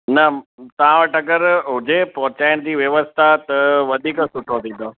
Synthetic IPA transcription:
nɐt̪ɐʋ̤ãʋɐʈɐɡəɾɦʊd͡ʑepɔɦt͡ɕaːɪɽ̃d͡ʑiːʋjɐʋəst̪ʰat̪ɐʋɐd̪ʱiːksʊʈʰot̪ʰĩːnd̪o

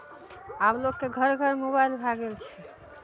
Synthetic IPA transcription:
ablokːeɡʱəɾɡʱəɾmobajlbʱaɡelt͡ʃʰɛ̥

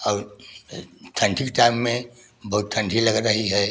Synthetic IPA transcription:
ɔːɾ | t̪ʰə̃ɳʈʰikʈaɪmːẽ | bɐɦut̪t̪ʰːə̃ɳʈʰiləɡɾəɦiɦɛ

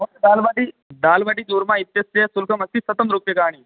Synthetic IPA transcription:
ɦoed̪aːlʋaːʈi | d̪aːlʋaːʈiːd̪uːɾmãit̪jɐsɐɐsulkɐmɐst̪isɐt̪ɐmɾupjɐkaːɳ̃i

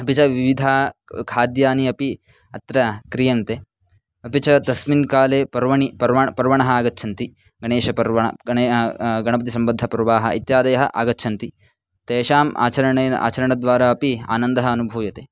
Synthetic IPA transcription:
ɐpit͡ʃɐʋiʋid̪ʱaːkʰaːd̪jaːniɐpi | ɐt̪ɾɐkɾijɐnt̪eː | ɐpit͡ʃɐt̪ɐsminkaːleːpɐɾʋɐɳipɐɾɐpɐɾʋɐɳɐɦɐaːɡɐtːʃʰɐnt̪i | ɡɐɳeːʃɐpɐɾʋɐɳɐ̰ː | ɡɐɳɐpɐt̪isɐmbɐd̪ʱːɐpɾɐʋaːɦɐ̰ʔit̪jaːd̪ɐjɐɦɐʔa̰ːɡɐtːʃʰɐnt̪i | t̪eːʃaːma̰ːt͡ʃɐɾɐɳːa̰ːt͡ʃɐɾɐɳɐd̪ʋaːɾaːɐpia̰ːnɐnd̪ɐɦɐɐnubʱuːjɐt̪eː

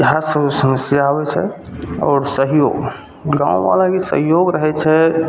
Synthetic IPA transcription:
ɦasəsəməsjaaβɛt͡ʃʰɛ̰ɔ̰ːɾsəɦijo̰ːɡ | ɡã̰ũʋa̰lakesə̰ɦjoɡɾəɦɛt͡ʃʰɛ

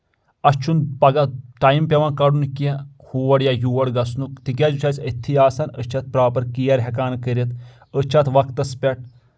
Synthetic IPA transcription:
ɐst͡ʃʰunpɐɡɐʈaːjmpʲeʋãːkɐɽunke | huːʋɐɽjajuːʋɐɽɡɐsnukt̪ik̬ʲad͡ʒut͡ʃʰat͡sʲət̪ʰiaːsɐnət͡ʃʰɐt̪̚pɾaːpɐɾkijɐɾɦɛkaːnkəɾit̪ | ət͡ʃʰɐt̪ʋɐkt̪ɐspʲɛʈ̚ʰ

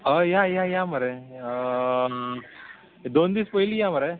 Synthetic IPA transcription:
ajaːjaːjaːmɐɾe | d̪ond̪ispojilijaːmɐɾe

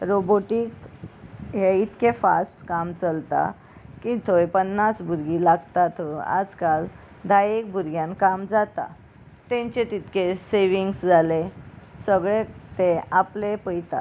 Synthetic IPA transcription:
ɾoboʈik | ɦeit̪kefa̰sʈkamt͡səlt̪a̰ | kit̪ʰojpənːat͡sbʱuɾɡilaɡt̪at̪ʰoa̰d͡zkal | d̪ʱajek̚bʱuɾɡjãnkamd͡zat̪a̰ | t̪ẽɲt͡ɕet̪it̪keseʋiŋɡsd͡zalesəɡɭet̪ẽaplepəjt̪a̰

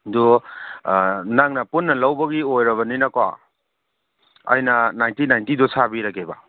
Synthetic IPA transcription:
du | naŋnɐpunːɐlɐwbɐɡiojɾɐβɐninɐkoa̰ | ɐ̰jnɐnajntinajntidɔsʰabiɾakebɐ̰

